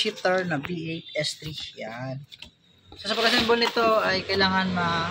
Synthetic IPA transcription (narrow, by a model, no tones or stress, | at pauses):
it̪ɐɹnɐbiʔejt̪̚ɛst̪ɾikjan | sosɐpɐɡkːɐsɐnbolnɪt̪o̞ʔɐjkɐɪlaːŋɐnmɐ